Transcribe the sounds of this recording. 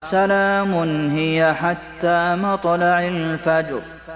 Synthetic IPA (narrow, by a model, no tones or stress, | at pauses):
salaːmʊnɦɪjaħat̪ːaːmɑt̪ˤlɑʕalfad͡ʒɾ